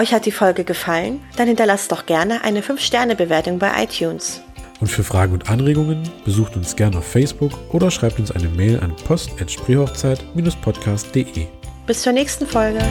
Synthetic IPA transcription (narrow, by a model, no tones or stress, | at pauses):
ʔɔʏçhat̚d̥iːfɔlɡəɡəfalənd̥anhɪntɐlastd̥ɔχɡ̥ɛɐnəʔa̰ɪnəfʏnfʃtɛɐnəbəveːɐtʊŋbaɪʔa̰ɪtʰjuːns | ʔʊntfyːɐfʁ̥aːɡŋ̩ʊntʔanʁeːɡʊŋənb̥əzuːxtʊnsɡ̥ɛɐnaʊfːɛɪsb̥ʊkʔoːɾɐʃʁ̥aɪp̚tʊnsʔa̰ɪnəmeːlʔa̰npʰɔstʔɛtʃpʁ̥eːhɔχt͡saɪtmiːnʊspʰɔtkʰaːstd̥eːʔḛːb̥ɪst͡suːɐnɛːçstn̩fɔlɡə